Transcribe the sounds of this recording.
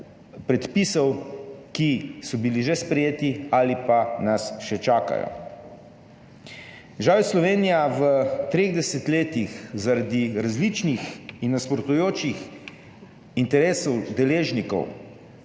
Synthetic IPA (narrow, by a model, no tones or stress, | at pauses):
pɾɛt̪pisɔwkisɔbiliʒɛspɾɛjeːt̪iaːlipanasʃɛt͡ʃaːka̰jɔ̰ | ʒaːʋɛslɔʋeːnijaʋət̪ɾeːɣd̪ɛsɛt̪leːt̪ixzaɾad̪iɾazlit͡ʃnixinːaspɾɔt̪ujoːt͡ʃix | int̪ɛɾeːsɔwd̪ɛleːʒnikɔ̰w